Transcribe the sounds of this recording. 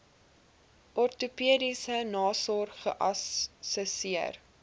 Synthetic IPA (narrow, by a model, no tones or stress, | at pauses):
ʔɔrtupiədisənɑːsɔrχə̰ʔɐsːəsiər